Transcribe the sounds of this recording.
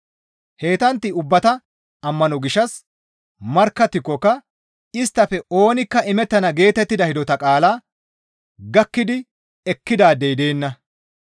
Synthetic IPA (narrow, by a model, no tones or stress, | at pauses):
he̞ːt̪ɐnt̪ːɪʊbːɐt̪ɐ | ɐmːɐnɔɡɪʃːɐs | mɐɾkːɐt̪ːɪkːɔkːɐ | ɪst̪ːɐfɛo̞ːnɪkːɐʔɪmɛt̪ːɐnɐɡe̞ːt̪ɛt̪ːɪd̪ɐhɪd̪ɔt̪ɐkʼaːlaː | ɡɐkːɪd̪ɪ | ɛkːɪd̪aːd̪ɛjd̪e̞ːnːɐ